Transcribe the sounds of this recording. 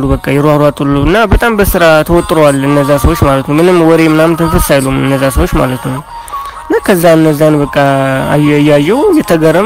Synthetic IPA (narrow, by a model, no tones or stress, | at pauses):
lːubəkʼːajɛɾwaɾat̪ʼulːuɨnːabət̪ʼambəsɨɾat̪ʰəwɔt̪ʼːɾowalɨnːəzːasəwot͡ʃːmalət̪nəwmɨnɨmwɔɾe̞mɨnamt̪ʰɨnfɨt̪sajlumɨ̰nːəzːasəwot͡ʃːma̰lət̪nəw | ɨnːakʰəzːaɨnːəzːanbəkʼːa | jːajːɛwjɛt̪ʰəɡəɾə